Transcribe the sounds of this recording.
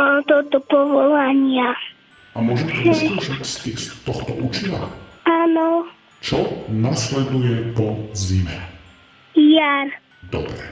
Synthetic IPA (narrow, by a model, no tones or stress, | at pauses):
t̪ɔt̪ɔpɔʋɔlaɲɪa | amʊɔʒɛmt̪ɔsuʃit̪skist̪ːɔxt̪ɔʔut͡ʃina̰anɔ | t͡ʃɔnaslɛd̪ujɛpɔzimɛ | jaɾ | d̪̥ɔ̰bɾɛ